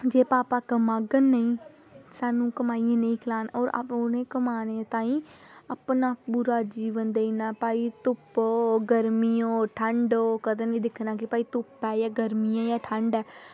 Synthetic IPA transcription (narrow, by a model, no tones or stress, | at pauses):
d͡ʒeːpaːpaːkəmaːɡənːəĩː | saːnũːkəmaːijãːnəĩːkʰɪlaːnɔːɾ̰ʊnẽːkəmaːnet̪ãːĩːəpnaːbʊɾaːd͡ʒiːʋənd̪einaːpaːit̪ʊpoɡəɾmiːõːʈʰəɳɖoːkəd̪ẽːnĩːd̪ɪkʰnãːkɪpaːiːt̪ʊpɛːjaːɡəɾmijãːjaːʈʰə̃ɳɖɛː